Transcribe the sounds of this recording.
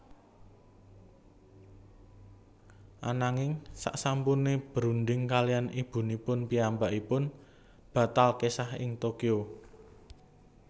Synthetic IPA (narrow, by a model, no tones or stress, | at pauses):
ʔanaŋɪŋsa̰ʔsampuneb̥əɾund̪ɪŋkalijanib̥ṳnipʊnpiambaʔipʊn | b̥ä̤t̪alkesahɪ̰ŋt̪okio